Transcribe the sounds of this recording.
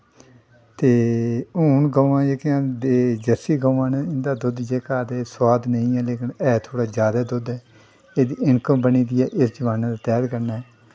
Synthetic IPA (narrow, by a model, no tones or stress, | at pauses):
t̪eːuːnɡəãːd͡ʒeːkjãːd̪eːd͡ʒəsiːɡəːʋãːnɛɪnd̪aːd̪ʊd̪d͡ʒeːkaːd̪eːswaːd̪nəĩːɛːleːkɪnɛːt̪ʰoːɽaːd͡ʒjaːd̪aːd̪ʊd̪ɛː | eːd̪iːɪɳkəmbəniːd̪iːɛːʔɪsd͡ʒəʋaːnãːd̪aːt̪ɛːd̪kəɾnaːɛː